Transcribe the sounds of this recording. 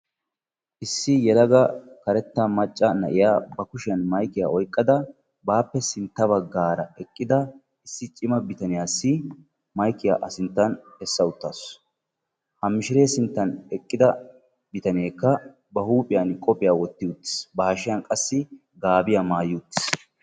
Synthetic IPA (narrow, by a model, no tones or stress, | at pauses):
ʔɪsːɪjɛlɐɡɐkɐɾɛt̪ːɐmɐt͡ʃʼːɐnɐʔɪjaːbɐkʊʃɪjɐnmɐjkːɪja̰ːɔjkʼːɐd̪ɐ | baːpːɛsɪnt̪ːɐbɐɡaːɾɐɛkʼːɪd̪ɐ | ʔɪsːɪt͡ʃʼɪmɐbɪt̪ɐnɪjaːsːɪ | mɐjkːɪja̰ːʔɐsɪnt̪ːɐnhɛsːɐʊt̪ːaːs | hɐmɪʃɪɾe̞ːsɪnt̪ːɐnɛkʼːɪd̪ɐ | bɪt̪ɐnɪeːkːɐ | bɐhuːpʼɪjɐnkʼɔpʼɪjaːwɔt̪ːɪjʊt̪ːɪ̥sbɐhɐʃɪjɐnkʼɐsːɪ | ɡaːbɪjamaːjɪʊt̪ːɪ̥s